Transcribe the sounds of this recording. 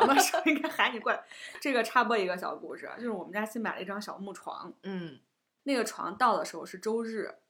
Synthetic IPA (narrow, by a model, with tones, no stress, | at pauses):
ma˥˩ʂo˥i˥ŋɡa˥nxa˧˥ɪni˨˩˦kwa˥˩nʈ͡ʂɤ˥˩ɡə˩ʈ͡ʂʰa˥pwɔ˥˩i˧˥ɡə˧ɕ̬jɑ̰˨˩ʊku˥˩ʂɻ̩̰˨˩˦t͡ɕjo˥˧ʊʂɻ̩˥˧wɔ˨˩mə˦t͡ɕa˥ɕi˥npa˨˩ɪə˧i˥˩ʈ͡ʂɑ˥ŋɕjɑ˨˩ʊmu˥˩ʈ͡ʂʰwɑ̰˧˥ŋn̩˥˩ | ne˥˩ɪɡə˩ʈ͡ʂʰwɑ̰˧˥ŋt̪ɑ˥˩ʊd̪ə˩ʂɻ̩˧˥xo˧ʂɻ̩˥˩ʈ͡ʂo˥ʊɻɻ̩˥˩